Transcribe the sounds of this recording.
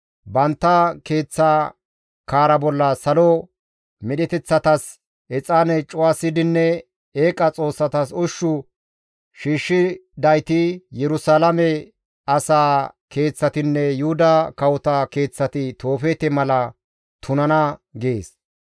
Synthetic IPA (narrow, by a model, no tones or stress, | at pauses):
bɐnt̪ːɐke̞ːt͡sːɐ | kaːɾɐbɔlːɐsɐlɔ | mɪɗɛt̪ɛt͡sːɐt̪ɐs | ɛt͡sʼaːnɛt͡ʃʼʊwasɪd̪ɪnːɛ | eːkʼɐt͡sʼo̞ːsːɐt̪ɐsʊʃːʊ | ʃiːʃːɪd̪ɐjt̪ɪjɛɾʊsaːlɐmɛ | ɐsaːke̞ːt͡sːɐt̪ɪnːɛjʊhʊd̪ɐkɐwʊt̪ɐke̞ːt͡sːɐt̪ɪt̪o̞ːfeːt̪ɛmɐlɐ | t̪ʰʊnɐnɐɡeːs